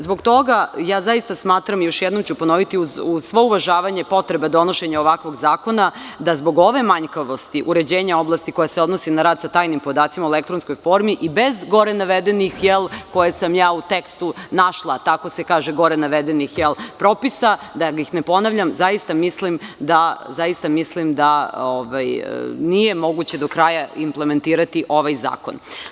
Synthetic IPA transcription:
zbo̞ɡt̪o̞ɡajaːzajist̪asmaːt̪ɾamijo̞ʃjɛd̪no̞mt͡ɕupo̞no̞ʋit̪iuzusʋouʋaʒaːʋaɲe̞po̞t̪ɾebed̪o̞no̞ʃe̞ɲaoʋakʋo̞ɡzaːko̞nad̪azbo̞ɡo̞ʋe̞maɲkaʋo̞st̪iʔuɾe̞d͡ʑeːɲao̞blˠast̪iko̞jaseo̞d̪no̞sinaɾaːd̪sat̪aːjnimpo̞d̪aːt̪simauelekt̪ɾonsko̞jfo̞ɾmiʔibe̞zɡo̞ɾenaʋed̪enixjelˠko̞jesamjaːut̪ekst̪unaʃlˠat̪ako̞se̞kaːʒeɡo̞ɾenaʋed̪enixjelˠpɾo̞pisad̪aɡaixnepo̞naʋʎʲamzajist̪amislimd̪azaist̪amislimd̪aoʋaj̰nije̞mo̞ɡut͡ɕe̞d̪o̞kɾajaimple̞me̞nt̪iːɾat̪iʔo̞ʋajza̰ːko̞̰n

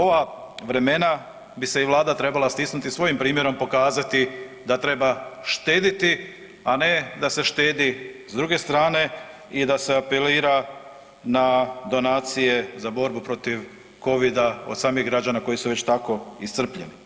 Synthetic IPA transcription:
o̞ʋa | ʋɾe̞me̞na | bise̞iʋlˠaːd̪at̪ɾe̞balast̪isnut̪isʋo̞jimpɾiːmje̞ɾo̞mpo̞kaːzat̪i | d̪at̪ɾe̞baʃt̪e̞ːd̪it̪i | ane̞d̪ase̞ʃt̪e̞ːd̪izd̪ɾuɡe̞st̪ɾaːne̞ | id̪ase̞ape̞liːɾa | nad̪o̞naːt̪sije̞zabo̞ɾbupɾo̞t̪iʋ | ko̞ʋid̪ao̞̰d̪saːmiɣɡɾad͡ʑanako̞jisuʋe̞t͡ɕt̪ako̞isr̩pʎeni

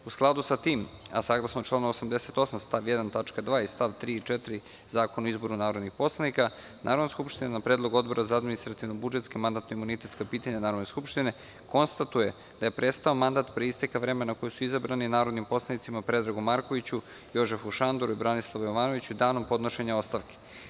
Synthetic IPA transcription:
usklˠad̪usat̪iːma̰saːɡlˠasnot͡ʃlˠaːnoosamd̪ese̞t̪o̞samst̪aʋjed̪ant̪at͡ʃkad̪ʋaːist̪aʋt̪ɾiːt͡ʃet̪iɾi | zaːkonaoizbo̞ɾunaːɾo̞d̪nixpo̞slˠanika | nʔa̰ɾo̞d̪naskupʃt̪inenapɾed̪lˠoɡo̞d̪bo̞ɾʔazaad̪minist̪ɾat̪iʋnobud͡ʒet̪skemand̪aːt̪noimunit̪e̞t̪skapiːt̪aɲanaːɾod̪neskupʃt̪ine̞ | ko̞nst̪at̪uje̞ | d̪̥aje̞pɾe̞t̪st̪aomand̪at̪pɾeist̪ekaʋɾe̞menakojosuizabɾaninaːɾo̞d̪nimpo̞slanit̪simapɾe̞d̪ɾaɡumaɾko̞ʋit͡ɕu | jo̞ʒefuʃand̪oɾuibɾanislˠaʋojoʋaːno̞ʋit͡ɕuid̪aːno̞mpo̞d̪no̞ʃeɲao̞st̪aʋke̥

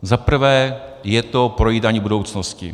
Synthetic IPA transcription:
zapr̩vɛː | jɛt̪opɾojiːdaːɲiːbudo̞wt͡snoscɪ̰

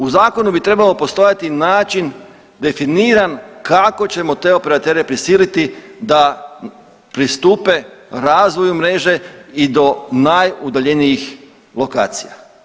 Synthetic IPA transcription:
uzaːko̞nubit̪ɾe̞balo̞po̞st̪o̞jat̪inaːt͡ʃin | d̪e̞finiːɾankako̞t͡ɕe̞mo̞t̪e̞o̞pe̞ɾat̪eːɾepɾisiːlit̪id̪a | pɾist̪uːpe̞ɾaːzʋo̞jumɾe̞ːʒe̞id̪o̞najud̪aʎe̞nijix | lo̞ka̰ːt̪sija̰

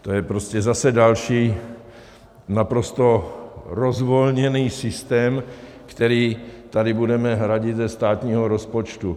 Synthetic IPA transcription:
t̪ojɛpɾoscɛzasɛdalʃiː | napɾost̪o̞ɾozvolɲɛniːsɪst̪ɛːm | kt̪ɛɾiːt̪adɪbudɛmɛɦɾaɟɪt̪zɛst̪aːt̪ɲiːɦoɾospot͡ʃt̪u

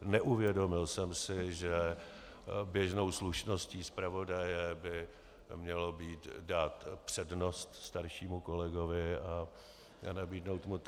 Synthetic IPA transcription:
nɛʔuvjɛdo̞mɪlsɛmsɪʒɛ | bjɛʒno̞wsluʃno̞sciːspɾavo̞dajɛbɪ | mɲɛlo̞biːt̪daːt̪pr̥ɛdno̞st̪st̪aɾʃiːmuko̞lɛɡovɪa | a̰nabiːdno̞wt̪mu

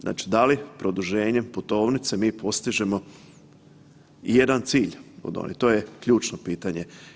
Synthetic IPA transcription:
zna̰ːt͡ʃi̥d̪alipɾo̞d̪uʒeːɲe̞mput̪o̞ːʋnit̪se̞miːpʰo̞st̪iʒe̞mo̞ | ije̞d̪ant̪siːʎod̪o̰nʔḭt̪o̞ːje̞kʎuːt͡ʃnopiːt̪aɲe̞

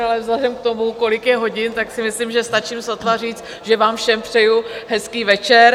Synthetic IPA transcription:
alɛvzlɛdɛmkt̪o̞muko̞lɪkjɛɦo̞ɟɪnt̪aksɪmɪslimʒɛst̪at͡ʃimsat̪lar̝iːt͡st̪ | ʒɛvaːmfʃɛmpr̝̥ɛjuɦɛskiːvɛt͡ʃɛɾ

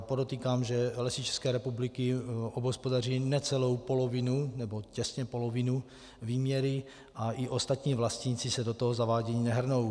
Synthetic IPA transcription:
podot̪iːkaːmʒɛlɛsɪt͡ʃɛ̥skɛːɾɛpublɪkɪobɦospodar̝iːnɛt͡sɛlo̞wpolovɪnunɛbo̞cɛsɲɛpolovɪnu | viːmɲɛɾɪ | ʔaʔiʔost̪at̪ɲiːvlast̪ɲit͡sɪsɛdot̪oɦozavaːɟɛjinɛɦr̩now

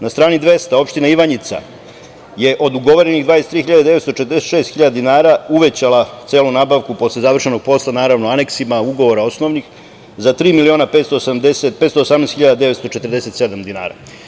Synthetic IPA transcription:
nast̪ɾaːnid̪ʋe̞st̪ao̞pʃt̪inaiʋaɲit̪sa̰ | je̞ʔo̞d̪uɡo̞ʋoɾeniɣd̪ʋaːjest̪ɾiːxiʎad̪ad̪e̞ʋet̪st̪o̞t͡ʃet̪ɾeset̪ʃeːst̪xiʎad̪ad̪inaːɾauʋe̞t͡ɕalˠat̪seːlˠunaːbaʋkupo̞slezaʋr̩ʂe̞no̞ɡ̚po̞slˠanaːɾaʋnoane̞ksimauɡo̞ʋo̞ɾao̞sno̞ʋnix | zat̪ɾiːmilio̞ːnape̞ːt̪st̪oːsamd̪eset̪̚pet̪st̪oːsamnesxiʎad̪ad̪eʋest̪o̞t͡ʃet̪əɾd̪e̞se̞t̪se̞d̪amd̪ina̰ːɾa̰

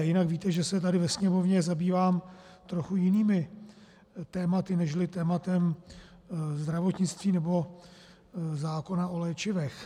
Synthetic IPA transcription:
jɪnakviːt̪ɛʒɛsɛt̪adɪvɛsɲɛmovɲɛzabiːvaːm | t̪ɾo̞xujɪniːmɪ | t̪ɛːmat̪ɪnɛʃlɪt̪ɛːmat̪ɛm | zd̪ɾavo̞t̪ɲɪt͡st̪viːnɛbo̞ | zaːko̞naʔo̞lɛːt͡ʃɪvɛx

